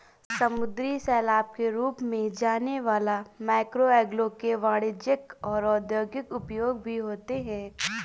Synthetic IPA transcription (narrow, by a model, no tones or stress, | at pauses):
sɐmʊd̪ɾisɛːlaːb̚keɾuːpmẽd͡ʒaːneʋaːlamaːɪkɾoɛːɡlõkeʋaːɽɪd͡ʒɪkɔːɾɔːd̪joːɡjɪkʊpjoːɡ̚bʱiɦoːt̪eɦɛ̃ː